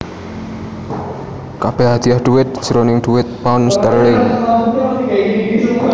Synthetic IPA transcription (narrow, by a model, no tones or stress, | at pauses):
kab̥ehad̪̥iahd̪̥uwɪt̪̚d͡ʒ̥əɾonɪŋɖ̥̪uwɪt̪̚paʊnst̪arlɪŋ